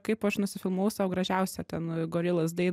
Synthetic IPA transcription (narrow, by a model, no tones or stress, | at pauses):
kɐɪpɐʃnʊsʲɪfʲɪlˠmuʊsɑʊɡɾɐʒʲæˑʊsʲɛt̪ʲɛnɡoːɾʲɪlˠɐsd̪ɐɪn